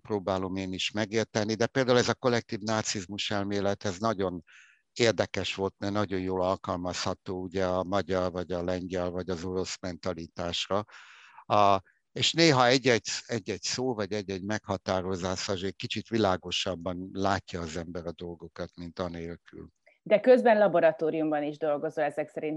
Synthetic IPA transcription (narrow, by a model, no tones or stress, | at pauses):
proːbaːlo̞meːniʃmɛɡeːrt̪ɛnːid̪ɛpeːld̪aːulɛzɒko̞lɛk̚t̪iːvnaːt̪sizmuʃɛlmeːlɛt̪hɛznɒɟo̞n | eːrd̪ɛkɛʃʋo̞lt̪̚nɛnɒɟo̞njoːlɒlkɒlmɒshɒt̪oːuɟɛɒmɒɟɒrvɒɟɒlɛɲɡɛlvɒɟɒzo̞ɾo̞smɛnt̪ɒlit̪aːʃrɒ | eːʃneːɦɒɛɟːɛɟɛɟːɛɟsoːvɒɟɛɟːɛɟmɛkhɒt̪aːɾo̞zaːsɒʒɛc̚ʲkit͡ʃit̪ʋilaːɡo̞ʃɒbːɒnlaːcːɒːzɛmbɛɾɒd̪o̞lɡo̞kɒt̪mint̪ɒneːlky̰l | d̪ɛkøzbɛnlɒboɾɒt̪oːɾijumbɒniʒd̪o̞lɡo̞zoɛzɛksɛɾin